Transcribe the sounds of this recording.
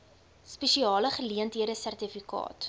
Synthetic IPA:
spɛʃiɑːləχəliəntɦiəɾəsærtifikɑ̰ːt

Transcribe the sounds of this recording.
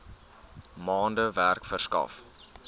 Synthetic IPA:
mɑːndəværkfərskɐ̰f

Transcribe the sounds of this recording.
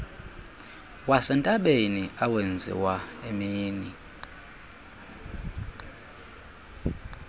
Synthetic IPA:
wasɛntʼaɓeniawend͡zʱḭwaemiːni

